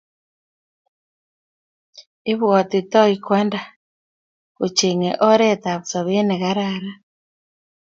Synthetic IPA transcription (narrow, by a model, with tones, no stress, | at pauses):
e˦βwɔ˨t̪i˨t̪ɔ˦i˨kwɛ˦nda˨ | ko˨t͡ʃe˨ŋɛ˨ʔɔ˦ɾɛ˦t̪a˨βu˨sɔ˨βe˦nɛ˨ɣa˦ɾaɾa˦